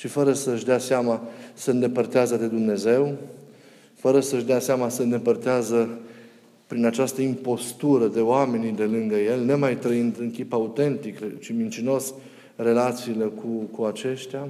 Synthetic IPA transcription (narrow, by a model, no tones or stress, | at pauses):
ʃifəɾəsəɨʃd̪easeamasəɨnd̪e̞pərt̪eazəd̪e̞d̪umne̞ze̞w | fəɾəsəʃd̪easeamasəɨnd̪e̞pərt̪eazə | pɾinat͡ʃast̪əimpo̞st̪uɾəd̪e̞oame̞nid̪e̞lɨŋɡəje̞lʲnemajt̪ɾəind̪ɨŋkʲipaut̪e̞nt̪ikrt͡ʃimint͡ʃino̞s | re̞lat̪siːle̞kʰukuat͡ʃe̞ʃt̪ea